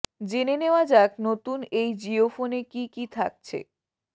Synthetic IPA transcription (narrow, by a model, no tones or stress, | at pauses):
d͡ʑeneneoad͡ʑaknot̪unejd͡ʑiofonekikit̪ʰak̚t͡ɕʰḛ